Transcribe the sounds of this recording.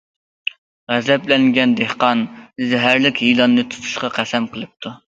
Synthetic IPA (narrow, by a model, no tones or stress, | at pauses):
ʁæzɛplɛŋɡʲɛnd̪ehqɑnzɛɦæɾlɪkʲɦilˠɑnːɨt̪ʰu̥t̪ʰu̥ʃqɑqʰæsɛmqʰəlˠɨp̚t̪ʰu